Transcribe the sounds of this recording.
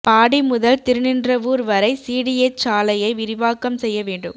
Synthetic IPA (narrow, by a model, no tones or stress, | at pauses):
paːɽimʊðɐlt̪ɪɾɯnɪndrɐʋuːɾʋɐɾɐɪsiːɽiɛt͡ʃaːlɐjɐɪʋɪɾɪʋaːkːɐmsɛjːɐʋeːɳɖɯ̰m